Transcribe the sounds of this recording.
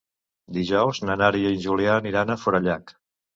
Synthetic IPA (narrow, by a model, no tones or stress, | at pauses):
d̪iʒɔwznənaɾiəinʲʒulianiɾanəfuɾəʎak